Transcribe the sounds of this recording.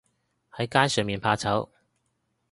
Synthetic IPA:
hɐ˨˥jkaː˥nsœː˨˩ŋmiː˨˩npʰaː˧t͡sʰɐ˨˥w

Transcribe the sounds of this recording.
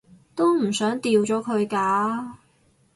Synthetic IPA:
t̪o˥wm̩˨˩sœː˨˥ŋt̪iː˧wt͡sɔː˨˥kʰɵ˨˧ɥkaː˧

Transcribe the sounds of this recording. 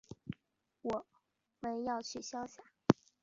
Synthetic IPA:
wɔ˨˩˦ | mə˧˥njɑ˥˧ʊt͡ɕʰy˥˩ɕjɑ˥ʊɕja˥˩˦

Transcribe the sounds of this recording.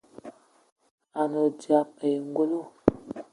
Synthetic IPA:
a˨nə˨d͡ʒi˨a˨pə˨jŋ˦ɡo˦lo˦

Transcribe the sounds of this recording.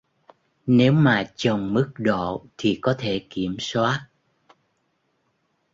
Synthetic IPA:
ne˨˦wmaː˨˩t͡ɕə˨˩ŋ͡mmɨ˦˥k̚ɗo̰˧˨t̪ʰi˨˩kɔ˨˦t̪ʰe˧˩ki˧˩əmswaː˦˥t̚

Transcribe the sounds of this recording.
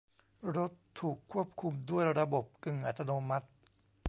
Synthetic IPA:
ɾo˦˥t̪ʰːuː˨˩kʰːu˥˩əp̚kʰu˧mdu˥˩əjɾa˧bo˨˩p̚kɯ˨˩ŋʔa̰˨˩t̪ʰːa˧noː˧ma˦˥t̪̚

